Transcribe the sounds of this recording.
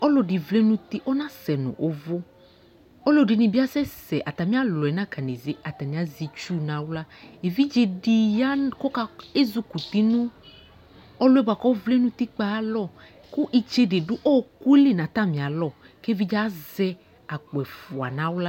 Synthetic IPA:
ɔ˦lɔ˦di˨vle˦nũ˦t̪i˦ʔɔ˦nã˦sɛ˨nṵ̃˨ʔo˨˦vo˦ | ɔ˦lɔ˦di˨nĩ˨bi˦a˦sɛ˦sɛ˨ʔa˨t̪a˨mĩ˦a˦lɔ˨ɛ˨nã˦ka˨ni˨ze˨a˨t̪a˨nĩ˨a˨zi˨˧t͡ʃu˦nã˨˦wla˦e˨vi˦d͡ʒe˨di˨ja˦kɔ˦ka˧e˦zu˦ku˨t̪i˦nũ˦ | ɔ˦lɔ˦ɛ˦ba˨kɔ˦vle˦nũ˦t̪i˦k͡pa˨˦lɔ˦˨ | kʊ˦ʔi˨t͡ʃe˧de˨dʊ˦ʔɔ˦ku˦e˦le˦˨nã˨t̪a˦˨mĩ˨a˨lɔ˦˨ | ke˦vi˦d͡ʒzɛ˦ | a˨k͡pɛ˨fu˨a̰˨nã˨˦wla˦

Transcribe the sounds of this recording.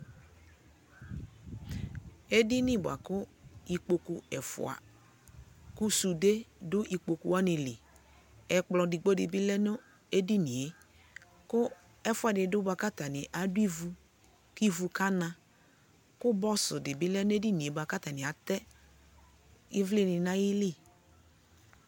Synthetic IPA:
e˦di˦nɪ̃˦bʊ˨a̰˨kʊ˦i˨k͡po˨ku˨ɛ˨fʊ̰˨a̰˨ | ku˦su˨de˦dʊ˦ʔi˨k͡po˨ku˨wa˦nɪ̃˨lɪ˨ | ɛ˨k͡plɔ˨di˨ɡ͡bo˦dɪ˨bɪ˦lɛ˦nʊ˦ | e˦di˦nĩ˨e˨˦ | kʊ˦ | ɛ˦fʊ˦˨a˨dɪ˨dʊ˦bʊ˦a˨ka˦t̪a˨nɪ˨ʔa˨dʊ˦i˦vu˨ | ki˦vu˨ka˦nã˨ | kʊ˦bɔ˦sʊ˨dɪ˨bɪ˦lɛ˦nʊ˦e˦di˦ni˨e˨bʊ˨a˨ka˦t̪a˨nɪ̃˨a˨t̪ɛ˦ | ɪ˦vlɪ˦nɪ̃˨nã˦jɪ˦lɪ˦˨

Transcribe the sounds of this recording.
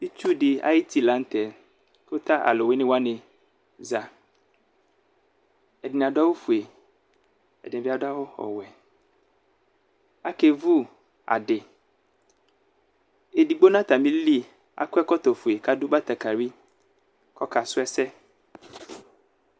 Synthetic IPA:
i˦t͡ʃu˦ɖe˨a̰˨ji˦t̪ʰi˦la˨˦n̩˦t̪ɛ˨ | ko˦t̪a˦ʔa̰˨lo˨we˦nɪ̃˦wa˦nẽ˨ | za˨ | ɛ˨dɪ˨nã˨da˦wo˦fu˨e˨ | ɛ̰˨di˦a˨da˦wo˦xɔ̰˨wɛ˨ | a˦ke˨vu˦ | a̰˨ɖɪ˨ | e˨di˨ɡ͡bo˦nã˦t̪a˨mĩ˦li˦ | a̰˨kɛ˦kɔ˦t̪ɔ˨fu˨e˨ka˦du˦ba˦t̪a˨ka˨ɾi˦ | kɔ˦ka˨sʊ˦ɛ˦sɛ˦

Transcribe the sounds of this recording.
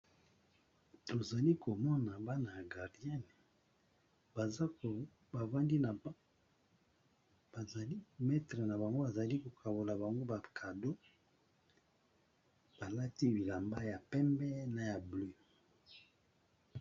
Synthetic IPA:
to˨za˨li˦ko˨mɔ˦na˨ba˦na˨ja˨ɡa˨ʁdi˦a˦n˨ | ba˨˦˨ | ba˨va˦ndi˦na˨˦ | ba˨i˦mɛ˦tʁe˨na˨ba˨ŋɡo˦ba˨za˨li˦ko˨kʰa˨bo˨la˨ba˨ŋɡo˦ba˨kʰa˨do˦ | b̥a˨la˦ti˦bi˨la˨mba˦ja˨pɛ˦mbɛ˦na˨ja˨ble˦

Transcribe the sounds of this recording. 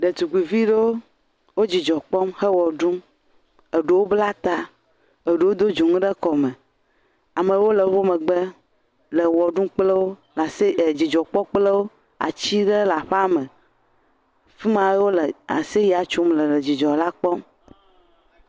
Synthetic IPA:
ɖe˨t̪u˨ɡi˨vi˦ɖe˦wo˦ | wo˦d͡ʑi˨d͡ʒɔ˨k͡pɔ˦mhə˦wɔ˨ɖũ˦m | e˨ɖu˨wo˦bla˦t̪a˦ | e˨ɖu˨wo˦d̪o˦d͡ʒu˨ŋũ˦ɖə˦kɔ˨me˨ | a˨me˨wo˦lə˨ɸo˦mə˨ɡ͡be˦ | lə˨wɔ˨ɖũ˦k͡ple˦wo˦ | la˨se˦˨d͡ʑi˨d͡ʒɔ˨k͡pɔ˦k͡ple˦wo˦ | a̰˨t͡ɕi˦ɖe˦la˨ɸa˦mə˨ | fi˦mã˨˦jwo˦le˨a̰˨se˦ja˨t͡ʃu˦mlə˨lə˨d͡ʑi˨d͡ʒɔ˨la˦k͡pɔ˦m

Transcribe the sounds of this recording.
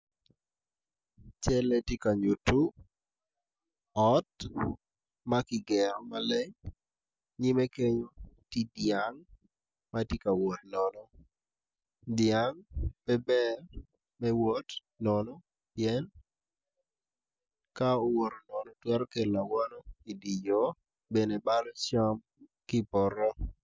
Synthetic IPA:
t͡ʃɛ˦lɛ˦ti˦ka˨ɲu˨tu˦ | ɔ˦t | ma˦kɪ˨ɡɛ˨ɾɔ˨ma˦lɛ˦ɲ | ɲɪ˦me˦ke˦ɲoti˦djaŋ | ma˦ti˦ka˨wo˨t̚nɔnɔ˦ | dja˦ŋpɛ˦bɛ˦ | mɛ˦wo˦t | nɔnɔ˦ | piɛ˦n | ka˦ɔ˨wo˨ɾo˨nɔ˨nɔ˦twɛ˦ɾke˨la˨wa˦nɔ˦i˨di˨d͡ʒo˦ | be˨ne˨ba˦lt͡ʃɔ˦m | kɪ˦pɔ˨ɾɔ˦

